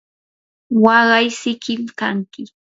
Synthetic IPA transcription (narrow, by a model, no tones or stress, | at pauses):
wɑɢɑjsɪkɪmkaŋkɪ